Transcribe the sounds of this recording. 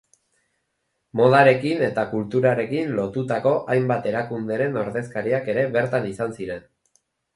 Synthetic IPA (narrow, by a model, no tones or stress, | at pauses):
mo̞ð̞aɾe̞kine̞t̪akult̪uɾaɾe̞kinlo̞t̪ut̪ako̞ʔajmbat̪e̞ɾakund̪e̞ɾe̞no̞ɾðe̞skaɾiake̞ɾe̞βe̞ɾt̪anisansiɾe̞n